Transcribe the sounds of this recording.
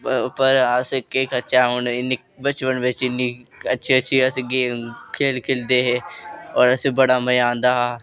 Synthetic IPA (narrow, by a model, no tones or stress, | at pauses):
pəɾəskekət͡ʃaːɦʊɳɪnːi | bət͡ʃʋənʋɪt͡ʃɪnːiːətːʃʰiːətːʃʰiːəsɡeːkʰeːlkʰeld̪eːɦeːɔːɾəsebəɽaːməjãːnd̪aːɦaː